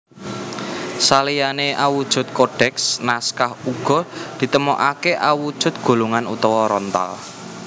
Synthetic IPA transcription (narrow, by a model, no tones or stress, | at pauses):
salijaneawud̥ʒ̥ʊ̤t̪̚koɖ̥ɛksnaskahuɡ̥ɔ̤d̪̥i̤t̪əmɔʔakeʔawud̥ʒ̥ʊ̤t̪̚ɡ̥o̤loŋanṵt̪ɔwɔɾɔnt̪a̰l